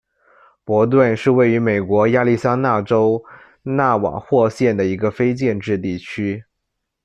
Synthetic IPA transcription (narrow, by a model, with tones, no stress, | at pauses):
pwɔ˧˥t̪̬wə˥˧nʂɻ̩˥˧we˥˩ɪy˧˥me˨˩ɪkwɔ˧˥ja˥˧li˥˩sa˥na˥˩ʈ͡ʂo˥ʊ | na˥˩wɑ̰˨˩xwɔ˥˧ɕjɛ˥˩nd̪ə˩i˧˥ɡə˧fe˥ɪt͡ɕjɛ˥˧nʈ͡ʂɻ̩˥˧t̪i˥˩t͡ɕʰy˥